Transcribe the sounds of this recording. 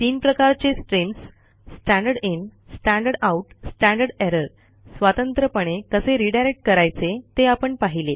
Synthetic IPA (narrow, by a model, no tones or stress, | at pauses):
t̪iːnpɾəkaɾt͡ɕesʈɾims | sʈæ̃ɳɖəɽinsʈæ̃ɳɖəɖauʈsʈæ̃ɳɖəɾɽeɾəɾ | sʋat̪ənt̪ɾəpəɳ̃ekəseɾiɖajɾek̚ʈ̚kəɾajt͡set̪eapəɳpaɦile